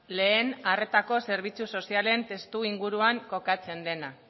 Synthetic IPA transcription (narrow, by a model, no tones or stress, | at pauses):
le̞ːnare̞t̪ako̞se̞ɾβ̞it͡suso̞siale̞nt̪e̞st̪uiŋɡuɾuaŋko̞kat͡se̞nd̪e̞na